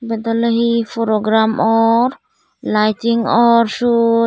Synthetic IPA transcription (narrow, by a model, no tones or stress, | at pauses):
bɛd̪ɔləɦifʰɔɾɔɡɾamɔɾ | lajtiŋɔɾsu